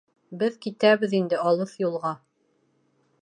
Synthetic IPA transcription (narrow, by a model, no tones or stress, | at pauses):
bɘðkit̪æβɘðind̪ɘɑlˠɤθjulˠʁɑ